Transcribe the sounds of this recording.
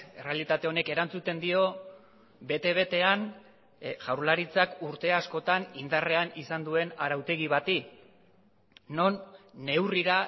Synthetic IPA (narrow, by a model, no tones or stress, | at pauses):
e̞re̞alit̪at̪e̞o̞ne̞ke̞ɾant͡sut̪e̞nd̪io̞ | be̞t̪eβ̞e̞t̪e̞an | ʝawɾlaɾit͡sakuɾt̪e̞asko̞t̪anind̪are̞anisand̪ue̞naɾawt̪e̞ɣiβat̪i | no̞nːe̞wriɾa